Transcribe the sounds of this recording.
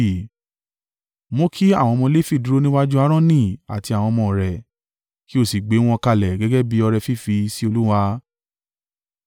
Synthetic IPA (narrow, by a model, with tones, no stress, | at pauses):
mo˦kʰi˦a˦˨w̃ɔ̃˧mɔ̃˧le˦fi˦˨du˦ɾo˦nĩ˦wa˦d͡ʒu˦a˦ɾ̃ɔ̃˦nĩ˦˨a̰˨ti˧a˨w̃ɔ̃˧mɔ̃˧˨ɾɛ˨ | ki˦o˦˨si˨ɡ͡be˨˦w̃ɔ̃˧ka˧˨lɛ˨ɡɛ˦ɡɛ˦bi˨˦ɔ˧ɾɛ˧fi˦˨fi˧si˦o˧lu˦wa˧